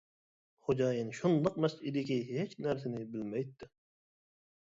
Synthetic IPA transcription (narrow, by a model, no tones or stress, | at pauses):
χod͡ʒɑːjinʃunlˠəq̚mɛsid̪ɪkʲiɦet͡ʃnæɾs̬ɪnɪbɪlmɛjt̪ːɪ